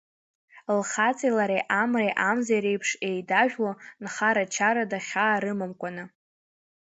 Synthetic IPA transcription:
lχat͡sʼilaɾejʔamrejʔamzajɾejpʰʂe̞jdaʒᶣwonχaɾat͡ʃʰaɾadaχʲaːɾɨmɨmkʷʼanɨ

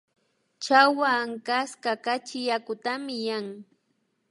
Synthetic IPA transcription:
t͡ʃawaːŋkaskakat͡ʃɪjakʊt̪amɪjaŋ

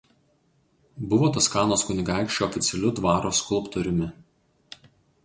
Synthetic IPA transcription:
bʊʋoːt̪ɐskɑːnoːskʊnʲɪɡɑˑɪkʃʲt͡ʃʲoːfʲɪt̪sʲɛlʲʊd̪ʋɑːɾoːskʊlˠˑpt̪ɔɾʲʊmʲɪ

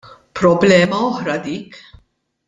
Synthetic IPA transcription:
pɾɔblɛːmɐɔħɾɐd̪iːk

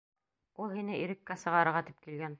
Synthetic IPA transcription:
ulˠhinɘʔiɾɘ̆kːæsɤ̆ʁɑɾɤ̆ɾʁɑt̪ip̚kilɡæn

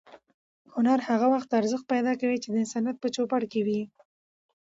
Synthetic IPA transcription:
hʊnaɾhaɣawaxt̪aɾzəxt̪̚pajd̪ɑkawit͡ʃed̪əɪnsanjat̪̚pət͡ʃopaɽkewi

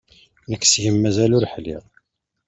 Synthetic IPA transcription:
nəkːsʝəmːæzælʊɾħlḭʁˤ

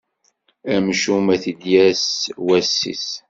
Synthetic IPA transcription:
æmʃumæθid̪jæswæsːḭs

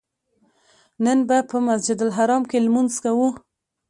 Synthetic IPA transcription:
nənbapəmasd͡ʒɪd̪alɦaɾɑmkelmunzkawu

